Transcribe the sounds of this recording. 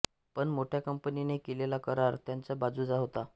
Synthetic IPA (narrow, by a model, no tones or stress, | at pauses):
pəɳmoʈʰjakəmpəninekelelakəɾaɾt̪jant͡sabad͡zud͡zaɦot̪a